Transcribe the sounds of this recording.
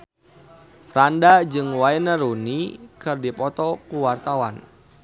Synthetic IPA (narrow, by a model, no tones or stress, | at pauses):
fɾandad͡ʒɨŋwaɛnəɾunikɨrdipɔt̪ɔkuwart̪awan